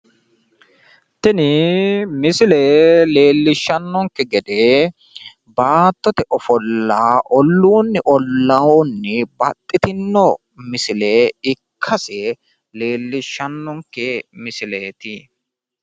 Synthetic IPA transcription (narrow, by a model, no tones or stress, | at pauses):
t̪ɪnɪmɪsɪlɛle̞ːlːɪʃːɐnːɔŋkːɛɡɛd̪e | baːt̪ːɔt̪ɛʔɔfɔlːaːʔɔlːuːnːɪʔɔlːɐwɔnːɪbɐt̪ʼːɪt̪ɪnːɔ | mɪsɪleɪkʰːɐsɛ | le̞ːlːɪʃːɐnːɔŋkːɛmɪsɪleːt̪ɪ